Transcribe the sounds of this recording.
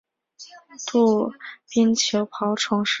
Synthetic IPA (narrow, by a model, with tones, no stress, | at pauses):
t̪u˥˩pi˥nt͡ɕʰjo˧˥ʊpʰɑ˧˥ʊʈ͡ʂʰʊ˧˥ŋʂ